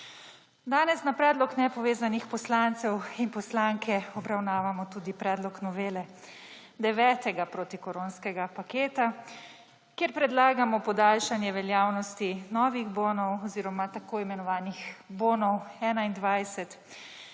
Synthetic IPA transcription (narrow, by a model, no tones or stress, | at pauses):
d̪aːnɛsnapɾɛːd̪lɔknɛpɔʋeːzanixpɔslant̪sɛwinpɔslaŋkʰɛɔbɾawnaːʋamɔt̪ud̪ipɾɛːd̪lɔknɔʋeːlɛ | d̪ɛʋɛːt̪ɛɡapɾoːt̪ikɔɾoːnskɛɡapakeːt̪a | kjɛɾpɾɛd̪laːɡamɔpɔd̪aːlʃanjɛʋɛljaːwnɔst̪inɔːʋiɣboːnɔwɔziːɾɔmat̪akoːimɛnɔʋaːnixboːnɔwɛːnaind̪ʋajsɛt̪